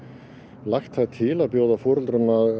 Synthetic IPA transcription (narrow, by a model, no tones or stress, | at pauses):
laxt̪θaðt̪ʰɪlaðpjoːwðafɔːɾʏlt̪ɾʏnað